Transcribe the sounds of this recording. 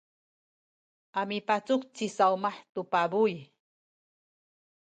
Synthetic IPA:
amipat͡sʊkt͡sisawmaħt̪upabuj

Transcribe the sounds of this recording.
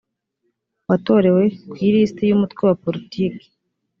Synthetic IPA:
wato̞ɾe̞we̞kwiːɾistejumutkwewapo̞ɾitiːke̥

